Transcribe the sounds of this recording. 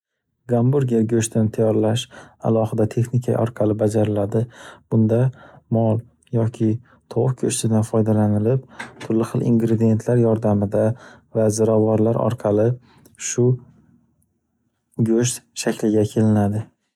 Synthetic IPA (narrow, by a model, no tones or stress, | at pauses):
ɡambuɾɡʲijaɡʲɵʃt̪ʰɪnɪt̪ʰajɒɾlaʃa̰lˠɒhɨd̪at̪ʰe̞χnɪkʲʰaɒ̰ɾqʰɑlɪbad͡ʒaɾɪlad̪ɪb̥ʊnd̪amɒlˠ | jɒkʲʰɪ | t̪ʰɒwɨqkʲʰɵʃt̪ɪd̪anfɒjd̪alanɪlɪp̚t̪ʰʊɾlɪχɨlˠʔḭŋɡɾed̪ije̞nt̪ʰlaɾjɒɾd̪amɪd̪avazɪɾavaɾlaɾɒ̰ɾqʰɑlɪ | ʃʊ | ɡʲɵʃt̪ʃakʲlɪɡʲakʲʰe̞lɪnad̪ɪ